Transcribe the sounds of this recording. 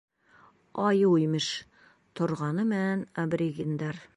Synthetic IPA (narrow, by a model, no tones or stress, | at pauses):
ɑjwujmɘʃ | t̪ʰŏɾʁɑnɤmɘænɐbrʲiɡʲind̪ɑɾ